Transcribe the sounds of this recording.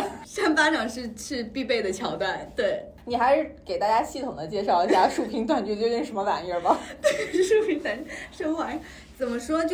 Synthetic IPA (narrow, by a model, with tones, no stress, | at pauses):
ʂa˥˩ŋpa˥ʈ͡ʂʰɑ˨˩ŋʂɻ̩˥˧ʂɻ̩˥˧pi˥˧pe˥˩ɪd̪ə˩t͡ɕʰjɑ˨˥ʊt̪wa˥˩nt̪we˥˩ɪ | ni˨˩xa˧˥ɪʂɻ̩˥˧ke˨˩ɪt̪a˥˩t͡ɕja˥ɕi˥˩t̪ʰʊ˨˩ŋd̪ə˦t͡ɕjɛ˥˧ʂɑ˥˩ʊi˧˥ɕja˥˩ʂu˨˩pʰi˧˥ŋt̪wa˨˩nt͡ɕt͡ɕjo˥˧i˥˩ŋʂə˧˥nmə˧fa˨˩nɛ˥˧˩bɐ˨˩t̪we˥˩ɪʂu˥˩pʰi˧˥ŋt̪wa˨˩nʂə˥ŋxwa˧˥ŋ | t͡sə˨˩nmə˦ʂwɔ˥t͡ɕj